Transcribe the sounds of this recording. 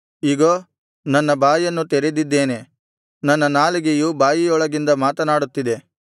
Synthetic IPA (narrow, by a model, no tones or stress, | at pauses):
iːɡoː | nɐnːɐbaːjɐnːut̪ɛɾed̪id̪ːe̞ːne̞ | nɐnːɐnaːliɡejubaːjijɔɭɐɡind̪ɐmaːt̪ɐnaːɽut̪ːid̪e̞